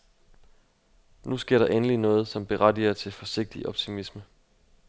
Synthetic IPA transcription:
nusɡ̥e̝ɐ̰ɾ̥ɑ̈ʔenəlinɔ̽ːð̞̩ˠsɒ̽mb̥e̝ʁad̥ḭɐt͡sʰe̝lfɒ̽se̝ɡ̥̚d̥iʔɒ̽b̥̚t͡sʰimismə

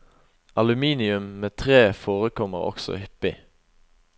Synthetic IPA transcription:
ʔɑlʉmiːnɪʉmmeːt̪ʰʁeːfoːʁəkʰɔməʁɔ̰ksɔ̰hʏpɪ

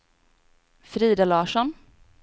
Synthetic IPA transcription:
fɾiːd̪alɑːʂɔn

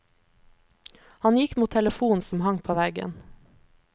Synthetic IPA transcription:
hɑnjɪkmuːt̪ʰɛləfuːn̩sm̩hɑŋpʰoːʋæɡə̰n

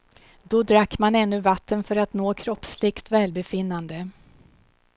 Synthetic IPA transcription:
d̪̥ɔd̪ɾakːmanɛnːɵvat̪ʰːənfœɾat̪noːkʰɾɔpslɪɡt̪vɛːlbɛfɪnːand̪ə

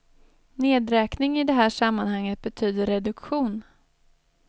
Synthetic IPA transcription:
neːd̪ɾɛːknɪŋɪd̪ɛɦæːʂamːanhaŋːət̪̚bɛt̪ʰyːd̪əɾɛd̪ɵkɧuːn

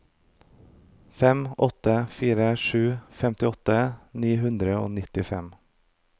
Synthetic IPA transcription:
fɛmɔt̪əfiːɾəʃʉːfɛmt̪ɪɔt̪əniːɦʉnd̪ɾəo̰ːnɪt̪ɪfɛm

